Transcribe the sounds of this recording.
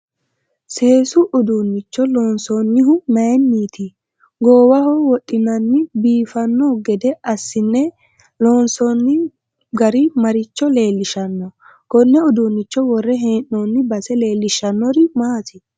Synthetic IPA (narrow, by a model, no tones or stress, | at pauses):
se̞ːsʊʔʊd̪unːɪt͡ʃːɔloːnsɔnːɪɦʊmɐnːiːt̪ɪ | ɡoːwɐhɔwɔtʼːɪnɐnːɪbiːfɐnːɔɡɛd̪ɛɐsːɪnːɛ | loːnsɔnːɪ | ɡɐɾɪmɐɾɪt͡ʃːɔle̞ːlːɪʃɐnːɔ | kɔnːɛʊd̪unːɪt͡ʃːɔwɔrːɛɦeːnːɔːnːɪbɐsɛle̞ːlːɪʃɐnːɔɾɪmaːt̪ɪ